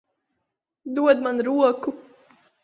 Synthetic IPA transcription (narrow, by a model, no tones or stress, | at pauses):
d̪uɔd̪manɾuɔku